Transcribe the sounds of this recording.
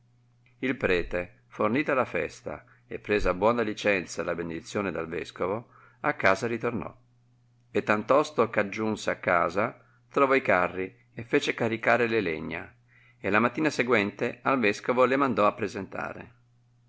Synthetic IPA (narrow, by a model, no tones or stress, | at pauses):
ilpɾɛːt̪e | forniːt̪alafɛ̰st̪a̰ | epːɾeːzabwɔnalit͡ʃɛnt̪salabened̪it̪sːjoːned̪alvɛ̰skovo | akːaːzaɾit̪ornɔ̰ | et̪ːant̪ɔst̪okad͡ʒːunseakːa̰ːza | t̪ɾovɔikarːi | efːeːt͡ʃekaɾikaːɾelelḛɲːa̰ | elamat̪ːiːnaseɡwɛnt̪ealvɛskovolemand̪ɔapːɾezent̪a̰ːɾḛ